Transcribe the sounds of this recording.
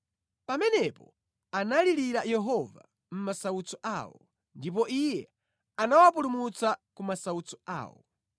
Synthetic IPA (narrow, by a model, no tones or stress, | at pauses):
pamɛnɛpɔ | analiɾiɾajɛɦɔva̰ | m̩masaut͡sɔʔa̰wɔ̰ | ndip̬ɔʔijɛ | anawap̬ulumut͡sakumasaut͡sɔ̥a̰ːwɔ̰